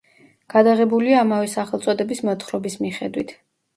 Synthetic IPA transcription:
ɡ̥ad̪aʁɛbuliaːmavɛsaχɛlˠt̪sʼɔd̪ɛbismɔt̪ʰχɾɔbismiχɛd̪wit̪ʰ

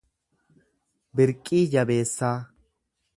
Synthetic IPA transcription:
bɪɾkʼːiːd͡ʒɐbeːsːaː

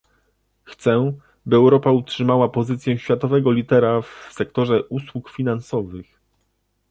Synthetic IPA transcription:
xt̪sɛ | bɘɛwɾɔpautʂɘmawapɔzɘt̪sʲjɛ̃ɕfʲjat̪ɔvɛɡɔlʲit̪ɛɾafsɛk̚t̪ɔʐɛʔuswukfʲinansɔvɘx

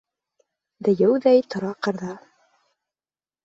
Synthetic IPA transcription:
d̪ɘ̆jɘwðæjt̪ŏɾɑqɤ̆ɾðɑ

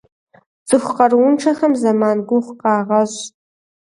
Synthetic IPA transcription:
d͡zɨχʷqɐrʊnʈ͡ʂʰɐχɐmzɐmaːnɡʷʊχʷqɑːʁɐʒ

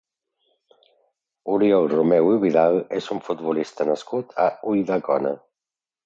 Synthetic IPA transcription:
uɾjɔlrumɛwiβiðalesuɱfut̪βulist̪ənəskut̪ʰa̰ujðakɔnə̰

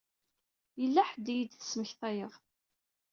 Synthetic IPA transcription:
jəlːæħəd̪ijəd̪θə̥sːməçθæjəð

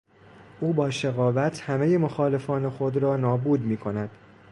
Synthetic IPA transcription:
ʔuːbɒːʃeɣɒːvæt̪ʰhæmeje̞moxɒːle̞fɒːne̞xo̞d̪ɾɒːnɒːbuːd̪miːkʰo̞næd̪̥

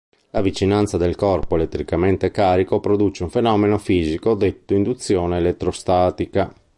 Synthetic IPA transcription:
lavit͡ʃinant̪sad̪elkɔrpoelet̪ːɾikament̪ekaːɾikopɾod̪ut͡ʃeuɱfenɔːmenofiːzikod̪et̪ːoind̪ut̪sːjoːneːlet̪ːɾost̪aːt̪ika

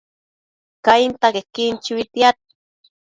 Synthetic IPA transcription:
kajint̪akekint͡ʃiwit̪jat̪̚

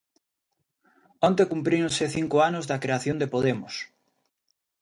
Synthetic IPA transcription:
ont̪̬ekumpɾiõnseθiŋkoanʊzðɐkɾeaθjond̪epoðemʊs

